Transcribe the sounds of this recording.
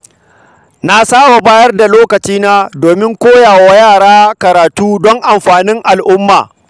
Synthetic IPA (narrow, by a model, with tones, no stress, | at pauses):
na˨saː˦wa˨baː˦jɐ˦rda˨loː˦kɐ˨t͡ʃiː˦na˦doː˨mɪ˦ŋkʷoː˦jaː˨wa˦jaː˦˨ɽaː˦kɐ˨ɾaː˨tuː˦dɔ˦ŋʔa˨mɸaː˨nɪ˦ŋʔa˨lʔʊ˦mːa̰ː˨